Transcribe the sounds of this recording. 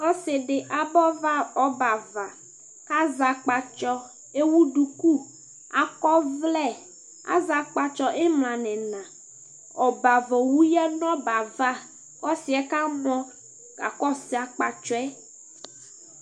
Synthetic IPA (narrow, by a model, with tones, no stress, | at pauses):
ɔ˦se˨ɖe˨ʔa˨bɔ˦va˦ɔ˦ba˨va˨ | ka˦za˨k͡pa˨t͡ʃɔ˦ | e˦wu˦ɖu˨ku˦ | a˨kɔ˦vlɛ˦˨ | a̰˦˨za˨k͡pa˨t͡ʃɔ˦ʔɛ˦mlã˨nɛ̃˨nã˨ | ɔ˨ba˨vɔ˨wu˦jɛ˦nɔ̃˦ba˨va˦ | kɔ˦si˨ɛ˦ka˦mɔ̃˦ | ka̰˨kɔ˦si˨a˨k͡pa˨t͡ʃɔ˦ɛ˦